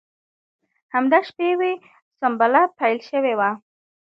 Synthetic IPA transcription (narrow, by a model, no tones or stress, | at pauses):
hamd̪aʃpewe | sʊmbalapajlʃəwewa